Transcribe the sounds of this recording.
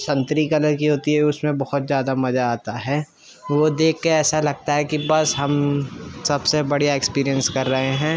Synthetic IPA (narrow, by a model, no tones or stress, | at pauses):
sɐ̃nt̪ɾikɐləɾkiɦoːt̪iɦɛʊsmẽbɐhʊt̪zjaːd̪amɐzaaːt̪aɦɛː | ʋod̪eːkʰːeɛːsalɐɡ̚t̪aɦɛkibɐsɦɐmsɐbsebɐɽ̤ijaekspiːɾijə̃nskɐɾːɐɦeɦɛ̃ː